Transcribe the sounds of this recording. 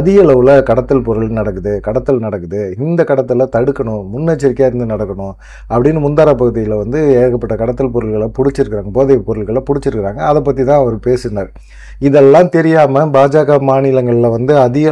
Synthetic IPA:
ɐðɪɣɐɐɭɐʋɯlɐkɐɽɐt̪ːɯlpɔɾɯɭnɐɽɐkːɯðɯkɐɽɐt̪ːɯlnɐɽɐkːɯðɯɪnd̪ɐkɐɽɐt̪̬ːɯlɐt̪ɐɽɯkːɐɳʊ̃mʊnːet͡ʃːɪɾɪkːaːɪɾɯnd̪ɯnɐɽɐkːɐɳʊ̃ | ɐpːɐɽɪnːɯmʊnd̪aːɾapɐɣɯðɪjɪlɐʋɐnd̪ɯeːɣɐpːɐʈːɐkɐɽɐt̪ːɯlpɔɾɯlɣɐɭɐpʊɽɪt͡ʃːɪɾɯkːɪɾaːŋɡɐpoːðɐɪpɔɾɯɭɣɐɭɐpʊɽɪt͡ʃːɪɾɯkːɪɾaːŋɡɐːðɐp̬ːɐt̪ːit̪ãːɐʋɐɾɯpeːsɯnaːɾ | ɪðɛlːãːt̪ɛɾɪjaːmɐbaːd͡ʒaːɣamaːnɪlɐŋɡɐɭɪlɐʋɐnd̪ɯɐðɪɣɐ

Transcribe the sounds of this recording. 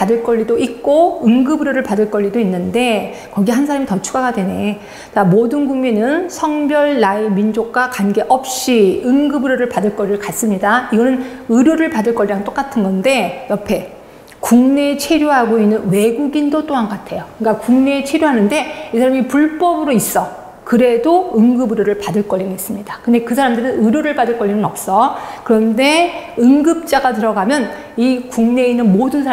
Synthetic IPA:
padɯɭk͈ʌʎːidoik̚k͈oɯŋɡɯbɯɾjoɾɯɭpadɯɭk͈ʌɭʎːidoinːɯnde̞ | kʌɡiɦansʰaɾamitʌt͡ɕʰuɡaɡadwe̞ne̞ | t͡ɕamodɯnɡuŋminɯnsʰʌŋbjʌɭːaimind͡ʑok̚k͈wakanɡe̞ʔʌp̚ɕ͈iɯŋɡɯbɯɾjoɾɯɭpadɯɭk͈ʌɾiɾɯɭkas͈ɯmɲidaiɡʌnɯnɯɾjoɾɯɭpadɯɭk͈ʌɭːiɾaŋt͈ok͈atʰɯnɡʌnde̞jʌpʰe̞ | kuŋne̞t͡ɕʰwe̞ɾjoɦaɡoinːɯnwe̞ɡuɡindot͈oɦanatʰe̞jokɯk͈akuŋne̞t͡ɕʰe̞ɾjoɦanɯnde̞isʰaɾamipuɭp͈ʌbɯɾois͈ʌ | kɯɾe̞doɯŋɡɯbɯɾjoɾɯɭpadɯɭk͈ʌʎːiŋes͈ɯmɲidakɯnde̞kɯsʰaɾamdɯɾɯnɯɾjoɾɯɭpadɯɭk͈ʌʎːiŋɯnʌp̚s͈ʌkɯɾʌnde̞ɯŋɡɯp̚t͡ɕ͈aɡat̬ɯɾʌɡamjʌn | ikuŋne̞inːɯnmodɯnsʰa

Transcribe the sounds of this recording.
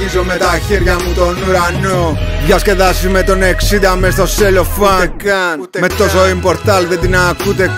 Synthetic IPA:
izomet̪ɐçeɾʝɐmut̪onuɾɐnoʝʝɐsce̞ðɐsimet̪o̞neksid̪ɐmest̪o̞selofɐ | met̪ːo̞soimpo̞ɾt̪ɐlðed̪inɐkut̪e̞

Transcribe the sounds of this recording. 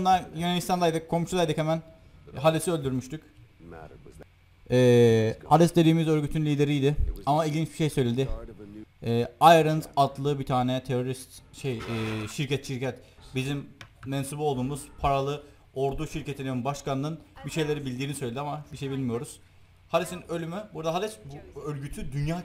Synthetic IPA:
nd̪anjynanist̪ʰand̪ˠajd̪ɯkkʰo̞mʃulˠajd̪ɯkhɛmæn | ɦalʲisiø̞lʲd̪yɾmyʃt̪yc | ɛːhaɾɛst̪d̪e̞d̪iːmizø̞ɾɟyt̪ʰynlʲiːd̪e̞ɾijd̪ɪamailʲɟint͡ʃbiʃejsø̞jlʲe̞d̪ɪ | ɛːajɾɯnzat̪lˠɯbit̪ʰaːnɛt̪ʰeɾo̞ɾist̪ʃejɛʃiɾcʰɛt̪ʃiɾcʰɛt̪bizimmɛnsubolˠd̪uːmuz̥pʰaɾalˠɯ | o̞ɾd̪uʃiɾce̞t̪ʰininbaʃkanːɯnbiʃe̞jlʲe̞ɾibilʲd̪iːnisø̞jlʲeiamabiʃejbilʲmijo̞ɾuz̥ | had̪isinø̞lʲymybuɾd̪aɦad̪ɛsbuølʲɟyt̪ʰyd̪ynjaː

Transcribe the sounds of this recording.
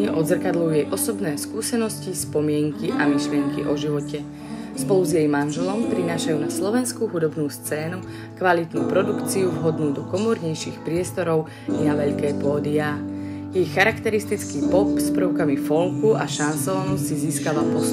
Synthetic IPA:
ɛʔɔd̪zr̩kad̪lujujɛjʔɔsɔbnɛːskuːsɛnɔscispɔmɪɛŋkiʔamiʃlɪɛŋkḭʔɔʒiʋɔcɛ | spɔluzjɛjmanʒɛlɔmpɾinaːʃajuːnaslɔʋɛnskuɦud̪ɔbnuːst͡sɛːnu | kʋalit̪nṵːpɾɔd̪ukt͡siuvɦɔd̪nuːd̪ɔkɔmɔɾɲɛjʃiːxpɾɪɛst̪ɔɾɔʊ | inaʋɛʎkɛːpɔːd̪iaː | jɛjxaɾakt̪ɛɾist̪it͡skiːpɔpspɾəʊkamifɔlkuʔaʃansɔːnɔsiziːskaʋapɔs

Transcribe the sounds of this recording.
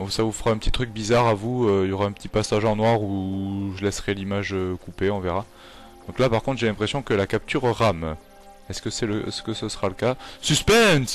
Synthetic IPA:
ɔ̃savufʁaɛ̃pət̪i̥t̪χyk̚bizaʁavuøiljɔʁaɛ̃pət̪ipasaʒɑ̃nwaʁuʒəlɛsʁɛlimaʒøkupeɔ̃veʁa | d̪̥ɔ̃klapaʁkɔ̃t̪χʒelɛ̃pχesjɔ̃kəlakap̚t̪ʰyʁʁam | ɛskəsɛləɛskəsəsəʁaləkasyspɛ̃s

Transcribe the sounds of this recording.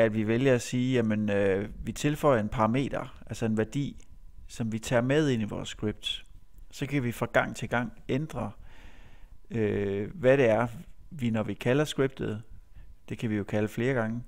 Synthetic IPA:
æd̥ʋiʋeljɐæsiːjæmənøʋit͡sʰe̝lfɒ̽ɪ̰ɐe̝npʰɑ̈ʁɑ̈me̝̰ːd̥ɐʔælsɐe̝nʋæɐd̥ḭː | sɒ̽mʋit͡sʰɛ̰ːɐmeð̞ˠe̝niʋɒ̰ːsːɡ̥ʁib̥̚d̥ | sɒ̽kʰæʋifʁɑ̈ɡ̥ɑ̈ŋ̰t͡sʰe̝lɡ̥ɑ̈ŋ̰end̥ʁɐ | øʋæɾ̥e̝æɐʋinɒʋikʰælɐsɡ̥ʁib̥̚d̥ð̞̩ˠd̥e̝kʰæʋijo̝kʰæləfle̝ːɐɡ̥ɑ̈ŋə

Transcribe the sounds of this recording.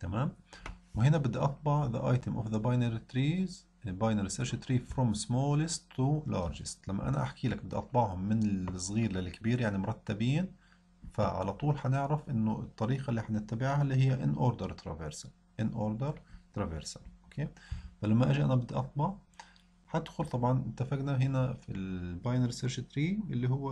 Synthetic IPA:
t̪amaːmwhɪnabɪd̪ːiʔɑt̪ˤbɑʕða̰ʔɑjt̪əmʔʊ̰fðəbɑjnaɾit̪ɾiːz | bɑjnaɾiseɾʃɪt̪ɾiːffɾɔmsmoːlɪst̪lɑːɾˤd͡ʒɪst̪lamːa̰ʔa̰na̰ʔa̰ħkiːlak̚bɪd̪ːiʔɑt̪ˤbɑʕhʊmːɪnɪsˤɣiːɾlalkabiːɾjaʕnimʊɾˤɑt̪ːabiːn | faʕa̰lat̪ˤuːlħanɪʕɾafʔɪnːʊɪt̪ˤːɑɾiːqɑlːiːħanɪt̪ːabɪʕhalːiɦɪjːæʔɪnʔoːɾd̪əɾˤt̪ɾɑ̰veɾsḁ | ʔɪnʔoːɾd̪ɑɾˤt̪ɾɑveɾsaʔokʰeːfalamːaʔaʒiʔanabɪd̪ːiʔɑt̪ˤbɑʕ | ħat̪xʊɾt̪ˤɑbʕɑnʔɪt̪ːafaɡnaɦɪnafilbaːjnɾseɾʃɪt̪ɾiːʔɪlːihʊwː

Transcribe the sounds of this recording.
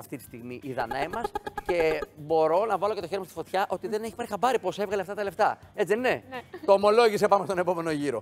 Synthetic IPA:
ɐft̪it̪i̥st̪iɣmiʔiðɐ̰nɐimɐsce̞bo̞ɾo̞nɐvɐlocet̪oçe̞ɾimɐst̪i̥fo̞t̪çɐʔo̞t̪iðe̞neçi̥pɐɾixɐbɐɾipuose̞vɣɐleɐft̪ɐt̪ɐle̞ft̪ɐet͡sieninet̪o̞ːmo̞lo̞ʝisepɐmest̪o̞ne̞po̞me̞no̞ʝiɾo̞

